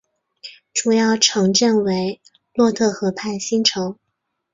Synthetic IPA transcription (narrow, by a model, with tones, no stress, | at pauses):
ʈ͡ʂu˨˩jɑ˥˩ʊʈ͡ʂʰɤ˧˥ŋʈ͡ʂə˥˩nwe˧˥ɪ | lwɔ˥˧t̪ʰɤ˥˩xɤ˧˥pʰa˥˩ɪɕi˥nʈ͡ʂʰɤ˧˥ŋ